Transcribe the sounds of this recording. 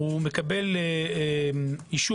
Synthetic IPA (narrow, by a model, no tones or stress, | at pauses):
umekabe̞l | iʃu